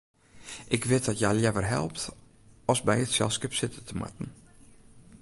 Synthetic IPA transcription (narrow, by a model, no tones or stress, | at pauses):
ʔɪkʋɪt̚dɔtjalˠjɛvərɦɛ̰lˠp̚t | ɔsbɛjətsɛ̰lˠskɪpsɪtətəma̰tn̩